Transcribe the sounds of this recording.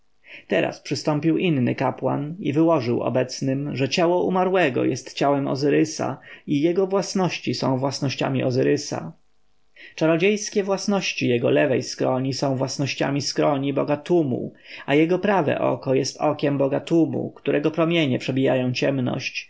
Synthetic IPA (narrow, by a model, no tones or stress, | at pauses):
t̪ɛɾa̰spʂɘst̪ɔmpʲiwʔinːɘ̰kapwa̰nivɘwɔʐɘwɔ̰bɛt̪snɘmʐɛt͡ɕawɔumaɾwɛɡɔ̰jɛst̪t͡ɕawɛmɔ̰zɘɾɘsa̰ijɛɡɔvwasnɔɕt͡ɕisɔ̰̃w̃vwasnɔɕt͡ɕa̰mʲiʔɔzɘɾɘsa̰ | t͡ʂaɾɔd͡ʑejskʲɛvwasnɔɕt͡ɕijɛɡɔ̰lɛvɛjskɾɔɲisɔ̃w̃vwasnɔɕt͡ɕa̰mʲiskɾɔɲibɔɡat̪umṵajɛɡɔpɾavɛ̰ʔɔ̰kɔjɛst̪ɔkʲɛmbɔɡat̪umṵkt̪uɾɛɡɔpɾɔmʲjeɲɛpʂɛbʲija̰jɔ̃w̃t͡ɕɛmnɔ̰ɕt͡ɕ